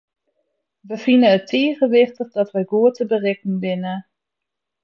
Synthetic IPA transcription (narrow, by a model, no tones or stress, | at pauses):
ʋəvinənətʰeːχənʋɪχtəχdɑtʋəjɡuːətəbərɛknbɪnə